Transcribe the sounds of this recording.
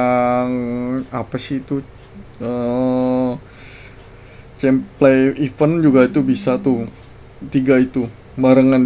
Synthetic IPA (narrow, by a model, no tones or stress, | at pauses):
ŋapasɪht̪u | ə | t͡ʃɛmpleifənd͡ʒuɡait̪ubisat̪u | t̪iɡait̪u | maɾəŋan